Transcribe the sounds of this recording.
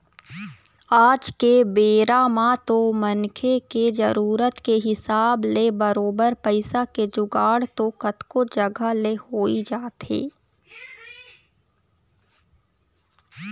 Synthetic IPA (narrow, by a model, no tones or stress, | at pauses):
aːd͡ʒkebeːɾamãt̪omɐnkʰeked͡ʒəɾuːɾət̪keɦɪsaːblebəɾoːbəɾpəɪsaked͡ʒʊɡaːɽt̪okət̪kod͡ʒɐɡʱəlehoːid͡ʒaːt̪ḛː